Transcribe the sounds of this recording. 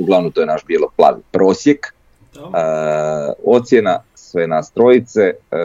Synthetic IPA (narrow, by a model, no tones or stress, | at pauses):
uɡlˠaʋnomt̪o̞jenaʃbielˠoplˠa̰ːʋipɾo̞ːsjek | o̞t̪sjena | sʋenast̪ɾojit̪se